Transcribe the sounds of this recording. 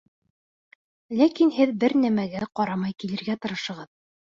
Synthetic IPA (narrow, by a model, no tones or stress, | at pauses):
lækinhɘðbɘɾnæmæɡæqɒɾɑmɑjkilɘ̆ɾɡæt̪ɤ̆ɾɤ̆ʃɤ̆ʁɤð